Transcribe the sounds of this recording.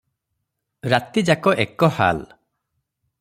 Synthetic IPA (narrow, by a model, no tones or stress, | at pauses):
ɾat̪id͡ʒakɔʔekɔha̰l